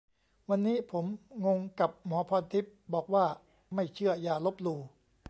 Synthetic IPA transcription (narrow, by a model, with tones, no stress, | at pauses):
wa˧nːiː˦˥pʰo˩˦mŋo˧ŋka˨˩p̚mɔː˩˦pʰɔː˧nt̪ʰi˦˥p̚bɔː˨˩k̚waː˥˩ | ma˥˩jt͡ɕʰɯ˥˩əjaː˧lo˦˥p̚luː˧